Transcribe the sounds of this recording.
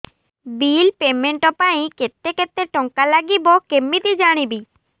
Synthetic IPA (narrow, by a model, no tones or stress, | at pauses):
bilpemeɳʈɔpaj̃ket̪ːeket̪ːeʈɔŋkalaɡibɔkemːit̪id͡ʒaɽ̃ibi